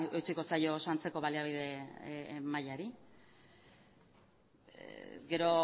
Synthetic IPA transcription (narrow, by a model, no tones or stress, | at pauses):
et͡siko̞sajo̞sant͡se̞ko̞βaliaβ̞iðe̞ | majaɾi | ɡe̞ɾo̞